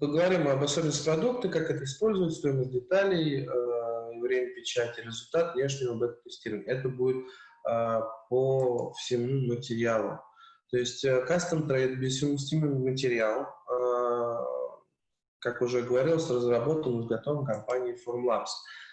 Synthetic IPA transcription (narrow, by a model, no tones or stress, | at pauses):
pəɡəvɐɾʲimɐbɐsobʲɪnəsʲt̪ʲpɾɐd̪uk̚t̪ɨkakɛt̪əɪspo̞lʲzʊvjɪt̪ʲst̪o̞jɪməzʲdʲɪt̪alʲɪjəivvɾʲemʲəpʲɪt͡ɕætʲɪɾʲɪzʊlʲt̪at̪vnʲeʂ̬nʲɪɐbɛt̪əmt̪ɨsʲtʲiɾəvənʲɛt̪̬əbudʲɪt̪̚ | əpəfsʲɪmumətʲɪɾʲɪalˠə̰t̪o̞ɪsʲtʲəkast̪əmt̪ɾejt̪̚bʲɪssʲɪmsʲt̪ʲimʲɪnmətʲɪɾʲɪalˠ | kakʊʐɛɡəvɐɾʲilˠəsʲrəzrɐbo̞t̪ənɨzɡɐt̪o̞vəmkɐmpanʲɪːformlˠaps